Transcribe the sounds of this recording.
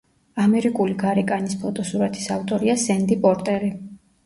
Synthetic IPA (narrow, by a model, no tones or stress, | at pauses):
amɛɾikʼuliɡaɾɛkʼanispʰɔt̪ʼɔsuɾat̪ʰi̥saft̪ʼɔɾiasɛnd̪ipʼɔɾt̪ʼɛɾi